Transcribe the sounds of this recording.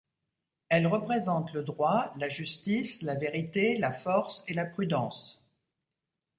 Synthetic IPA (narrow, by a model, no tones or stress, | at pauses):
ɛlʁəpχezɑ̃t̪ləd̪ʁwalaʒyst̪islaveʁit̪elafɔʁselapχyd̪ɑ̃s